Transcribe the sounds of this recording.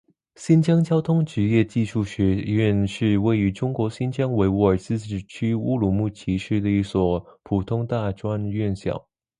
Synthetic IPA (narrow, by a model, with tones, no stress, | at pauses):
ɕi˥nt͡ɕjɑ˥ŋt͡ɕjɑ˥ʊt̪ʰʊ˥ŋʈ͡ʂɻ̩˧˥jɛ˥˧t͡ɕi˥˧ʂu˥˩ɕɥɛ˧˥ɥɛ˥˧nʂɻ̩˥˧we˥˩ɪy˧˥ʈ͡ʂʊ˥ŋkwɔ˧˥ɕi˥nt͡ɕjɑ˥ŋwe˧˥ɪu˧˥ə˞˨˩t͡sɹ̩˥˧ʈ͡ʂ̩˨˩t͡ɕʰy˥u˥˧lu˨˩mu˥˩t͡ɕʰi˧˥ʂɻ̩˥d̪ə˨i˥˩swɔ˨˩pʰu˨˩t̪ʰʊ˥ŋt̪a˥˧ʈ͡ʂwa˥nɥɛ˥˩nɕjɑ̰˨˩˦ʊ